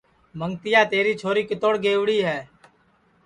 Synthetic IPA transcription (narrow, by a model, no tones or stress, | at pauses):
məŋt̪ɪjaːt̪eːɾiːt͡ʃʰoːɾiːkɪt̪oːɽɡeːʋɽiːɦɛː